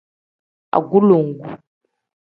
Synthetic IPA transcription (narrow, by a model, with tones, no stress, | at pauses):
a̰˨ɡu˦lo˨ŋ˦ɡu˨